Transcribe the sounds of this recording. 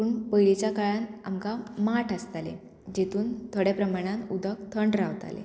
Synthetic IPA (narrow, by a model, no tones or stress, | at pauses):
puːɳpəjɭit͡ɕjakaɭãna̰mkamaʈʰast̪alḛ | d͡ʑet̪ʰuːnt̪ʰoɽapɾəmaɽ̃ãnud̪ək̚t̪ʰəɳɖɾaʋt̪a̰lḛ